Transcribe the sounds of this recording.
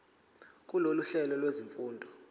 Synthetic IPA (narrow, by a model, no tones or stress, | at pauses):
k̬ʼuloluɬɛlɔlweziɱfuːndʱɔ